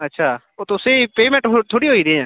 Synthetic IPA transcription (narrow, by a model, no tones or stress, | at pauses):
ətːʃʰaː | oːt̪ʊseipeːmẽɳʈɦot̪ʰoːɽiɦoːiːɾẽɛ̃ː